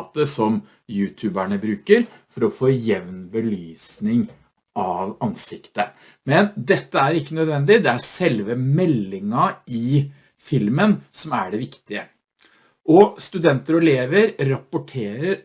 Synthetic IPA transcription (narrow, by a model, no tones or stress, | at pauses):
t̪əsɔm | jʉːt̪ʰʉːbæɳəbɾʉːkəɾfɔɾɔfoːjɛʋnbəlyːsnɪŋ | ʔɑʋɑnsɪkt̪ə | mɛnd̪ɛt̪ːəæɾɪkːənœd̪ʋɛnd̪ɪd̪ɛæsɛlʋəmɛlːɪŋɑɪ | fɪlmənsɔmæɖɛʋɪkt̪ɪə | ʔɔst̪ʉd̪ɛnt̪əɾɔɛleːʋəɾɾɑpːʊʈʰeːɾəɾ